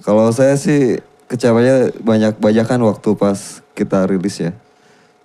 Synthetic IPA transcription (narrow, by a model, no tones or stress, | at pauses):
kalaws̬ajasɪh | kət͡ʃapaɲabaɲak̚baɲakanwak̚t̪upaskit̪aɾilɪsja